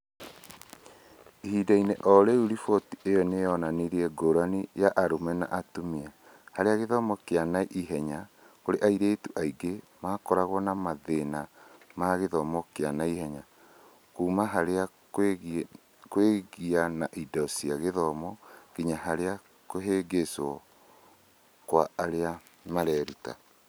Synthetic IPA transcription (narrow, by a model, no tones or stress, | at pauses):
ihidaineʔɔɾeuɾifɔtiejɔnejɔnaneɾiɛɡoɾanijaʔaɾomɛna̰ʔatomia | haɾeaɣeðɔmɔkeanaʔiɦɛɲa | koɾeʔaiɾeːtuʔaiɡe | maːkɔɾaɣwɔnamaðenamaɣeðɔmɔkeanaihɛɲa | kuːmaɦaɾea | kweɣianaʔidɔsiaɣeðɔmɔkiɲaɦaɾea | koɦeɡesɔ | kwaːɾea | maɾɛːɾuta̰